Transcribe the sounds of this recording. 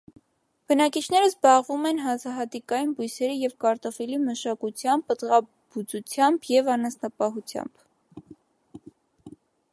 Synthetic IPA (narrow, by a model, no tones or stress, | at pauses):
b̥ənɑkit͡ʃʰnɛɾəzbɑʁvumɛnɦɑzɑɦɑt̪ikɑjinbujsɛɾijɛvkɑɾt̪ɔfiliməʃɑkut͡sʰjɑmbət̪ʁɑ | but͡sut͡sʰjɑmbjɛvɑnɑsnɑpɑɦut͡sʰjɑ̰mb̥